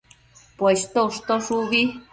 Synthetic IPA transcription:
pwest̪ouʂt̪oʂuβi

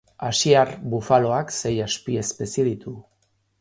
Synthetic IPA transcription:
asiarβufalo̞akse̞jaspie̞spe̞sieðit̪u

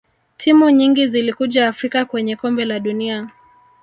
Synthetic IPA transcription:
tʰimuɲiŋɡizilikuʄaːfɾikakwɛɲɛkɔmbɛlaɗunia

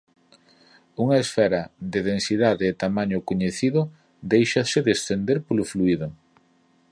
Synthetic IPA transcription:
uŋɐesfɛɾɐðɪðensiðaðeːt̪amaɲʊkoɲeθiðʊ | d̪ejʃɐsɪðesθend̪eɾpolʊfluiðʊ

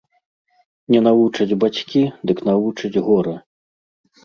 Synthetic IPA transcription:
nʲɛnavut͡ʂɐd͡zʲbat͡sʲkʲid̪ɨknavut͡ʂɐd͡zʲɣɔɾɐ

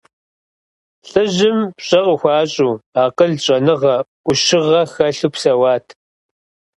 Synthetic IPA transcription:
ɬʼɨʑɪmpɕʼɐʁəxʷɑːɕʼuːaːqəɮɕʼɐnɨʁɐʔʷʊʃɪʁɐxɐɬuːpsɐwɑːtʰ

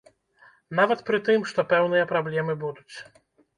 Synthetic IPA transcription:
navɐt̪pɾɨt̪ɨmʂt̪ɔpɛwnɨjɐpɾablʲɛmɨbud̪ut͡sʲ

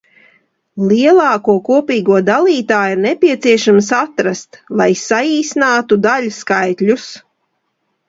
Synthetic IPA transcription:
lˠiɛlˠɑːkuɔkuɔpiːɡuɔd̪alˠiːt̪aːjiuɾnɛpʲiɛt̪siɛʃamsat̪ɾast̪lˠajsaiːsnaːt̪ud̪aʎʲskajt̪lʲus

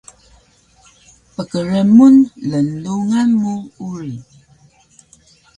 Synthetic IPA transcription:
pəkəɾemunlənduŋanmuuɾi

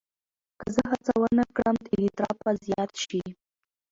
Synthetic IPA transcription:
kəzəɦat͡sawənakɽəmt̪ed̪it̪ɾɑpazjɑt̪ʃi

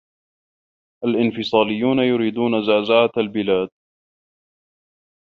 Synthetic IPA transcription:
ʔalʔɪnfɨsˤɑːlɪjːuːnajʊɾiːd̪uːnazaːzaʕaalbɪlaːd̪̚

